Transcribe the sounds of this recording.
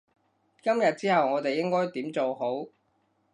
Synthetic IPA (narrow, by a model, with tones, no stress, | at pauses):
kɐ˥mjɐ˨t̚t͡siː˥hɐ˨wŋɔː˨˧t̪e˨jɪ˥ŋkɔː˥jt̪iː˨˥mt͡so˨wɦo˨˥w